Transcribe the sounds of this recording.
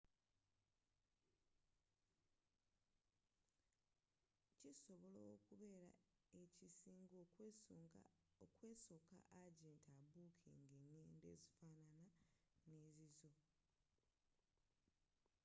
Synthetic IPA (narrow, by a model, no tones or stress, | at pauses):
ciso̞βo̞lokuβe̞ːɾa̰ecisiːŋɡo | okwe̞ːso̞ka̰ʔaɟeːntaβuːkʰḛːŋɡeɲeːnde̞̰ːzifaːnananeːzizo̞